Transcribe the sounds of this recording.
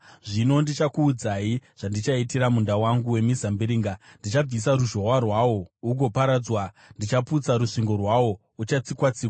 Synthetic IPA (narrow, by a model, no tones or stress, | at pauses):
ʐino̞ndit͡ʃakuːd͡zaiʐ̥andit͡ʃaitiɾamundawaŋɡuwe̞mizambiɾiːŋɡandit͡ʃab͡vis̬aɾuʒo̞warwawo̞uɡo̞paɾad͡zwa | ndit͡ʃaput͡saɾuʂiŋɡo̞rwawo̞ | ut͡ʃat͡sikwat͡siːwa